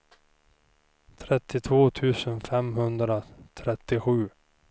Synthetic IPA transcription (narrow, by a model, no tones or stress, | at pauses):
t̪ʰɾɛt̪ːɪt̪ʰvoːt̪ʰʉ̟ːsənfɛmɦɵnd̪ɾat̪ʰɾɛt̪ːɪɧʉ̟ː